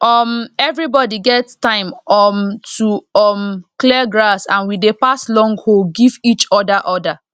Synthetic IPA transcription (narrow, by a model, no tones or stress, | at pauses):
ʔɔmɛvɹibɔdiɡɛttãɪ̃mɔmtʰuɔmklɛɡɹasãnwidepaslɔ̃ŋɡhoɡivit͡ʃɔdaʔɔda